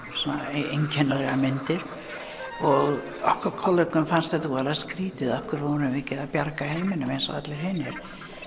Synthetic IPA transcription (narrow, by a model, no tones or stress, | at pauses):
sɔnːaejɲcʰɛnːalɛɣamɪnt̪ɪɾ̥ | ɔɣ | ɔhkvaɾkʰɔlːœkʏmfanst̪ɛt̪uvɛːlaðskɾiːt̪ɪðahkʏɾvɔʏmvɪcɛðapjaɾkahejmɪnʏmejnsa̰at̪lɪɾ̥hɪnːɪɾ̥